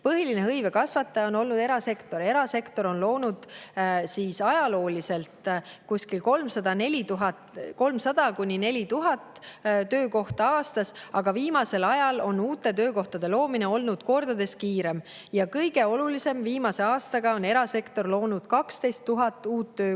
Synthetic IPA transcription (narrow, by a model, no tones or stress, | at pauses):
pɤɦilineɦɤjve̞kɑsvɑt̪ːˑɑjɑo̞nolnud̪e̞ɾɑse̞kt̪o̞ɾe̞ɾɑse̞kt̪o̞ɾo̞nlo̞ːnud̪̥siːsɑjɑlo̞ːlise̞lt̪kusʲkilko̞lmsɑd̪̥ɑne̞lʲit̪uɦɑt̪ko̞lmsɑd̪̥ɑkunʲine̞lʲit̪uɦɑt̪t̪ø̞ːko̞ht̪ɑɑːst̪ɑsɑɡ̥ɑviːmɑse̞lɑjɑlo̞nuːt̪ːˑe̞t̪ø̞ːko̞ht̪ɑd̪̥e̞lo̞ːmine̞o̞lnud̪̥ko̞rd̪̥ɑd̪e̞skiːɾe̞m | jɑkɤjɡ̥e̞o̞lulise̞mviːmɑse̞ɑːst̪ɑɡ̥ɑo̞ne̞ɾɑse̞kt̪o̞rlo̞ːnud̪̥kɑkst̪e̞jst̪ːuɦɑt̪ːˑuːt̪ːø̞ː